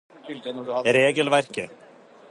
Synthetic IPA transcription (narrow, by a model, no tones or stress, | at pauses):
ɾɛːcɪlvajr̥cɪ